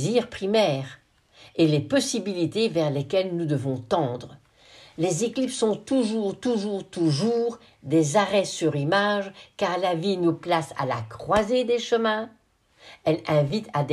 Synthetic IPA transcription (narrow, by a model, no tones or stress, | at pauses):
ziʁpχimɛːʁ | elepɔsibilit̪evɛʁlekʲɛlnud̪əvɔ̃t̪ɑ̃d̪ʁə | lezeklipsɔ̃t̪uʒuːʁt̪uʒuʁt̪uʒuːʁ | d̪ezaʁɛsyʁimaʒkaʁlavinuplasa̰la̰kχwazed̪eʃəmɛ̃ | ɛlɛ̃vit̪ad̪